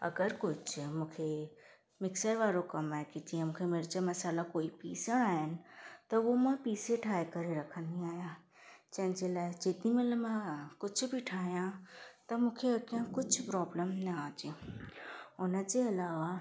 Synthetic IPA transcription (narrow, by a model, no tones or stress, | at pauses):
ɐ̰ɡəɾkʊd͡ʒmũːkʰe | mɪksəɾʋaːɾokɐmaːekid͡ʑiːə̃mũːkʰemɪɾd͡ʒamɐsaːlakoːipiːsəɽ̃aːɦɪnɪ̆t̪ɐomãpiːseʈʰaːekɐɾeɾɐkʰə̃nd̪ĩaːjã | d͡ʒɐ̃ɦɪ̃nd͡ʒelaːɪd͡ʒeːt̪imẽlmãkʊd͡ʒʰʊbʱiʈʰaːɦjãt̪ɐmũːkʰeɐkiãkʊd͡ʒʊpɾɔːbləmnɐaːd͡ʒeː | ʊnəd͡ʑeɐlaːʋa